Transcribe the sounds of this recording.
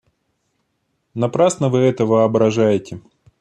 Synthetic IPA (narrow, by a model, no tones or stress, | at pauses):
nɐpɾasnəvɨɛt̪əvəɐbɾɐʐajɪtʲɪ